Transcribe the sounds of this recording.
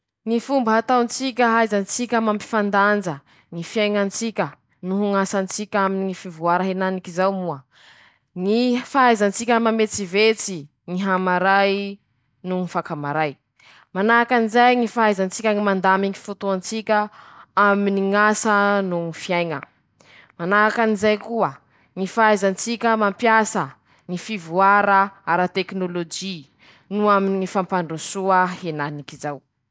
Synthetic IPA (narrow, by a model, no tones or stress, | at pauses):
ŋifumbəɦat̪awnt͡sik̬ʲəɦajzant͡sikʲəmampi̥fand̪and͡ʒə | ŋifiajŋant͡sikʲə | nuɦuŋasant͡sikʲaminiŋifivuaɾaɦenanikizawmuə | ŋifaajzant͡sikʲəmamet͡sivet͡si | ŋiɦamaɾaj | nuŋifakamaɾaj | manakanizajŋifaajzant͡sikʲəŋimand̪amiŋifut̪uant͡sikʲəaminiŋasənuŋifiajŋə̰ | manakanizajkuə | ŋifaajzant͡sikʲəmampjasə | ŋifivuaɾaaɾat̪eknolod͡ʒi | nuaminiŋifampaɳɖ͡ʐusuahenanikizaw